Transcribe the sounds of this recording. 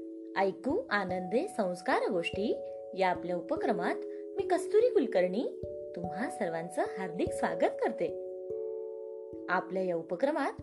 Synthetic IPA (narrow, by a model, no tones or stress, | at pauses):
əjkuːʔanənd̪esə̃w̃skaɾɡoʂʈiː | jaːpljaupəkɾəmat̪ | miːkəst̪uɾiːkulkəɾɳiː | t̪umɦasəɾʋãnt͡səɦaɾd̪iksʋa̰ɡət̪kəɾt̪e | apljajaupəkɾəmat̪